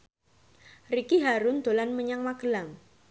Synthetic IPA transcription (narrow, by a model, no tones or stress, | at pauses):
rikiɦaɾʊnd̪̥o̤lanməɲaŋmaɡəlaŋ